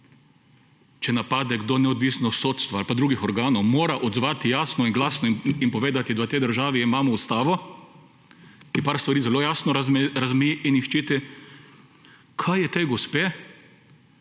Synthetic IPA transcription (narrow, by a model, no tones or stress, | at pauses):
t͡ʃɛnapaːd̪ɛɡd̪onɛɔd̪ʋiːsnɔsoːt̪st̪ʋaalpad̪ɾuːɡixɔɾɡaːnɔwmoːɾaʔɔd̪zʋaːt̪ijaːsnɔinɡlaːsnɔinpɔʋeːd̪at̪id̪at̪ɛjd̪əɾʒaːʋiːmaːmɔust̪aːʋɔ | kipaːɾst̪ʋaɾiːzɛloːjasnɔɾazmiiʔinixt͡ʃit̪i | kʰajjɛt̪ejɡɔspeː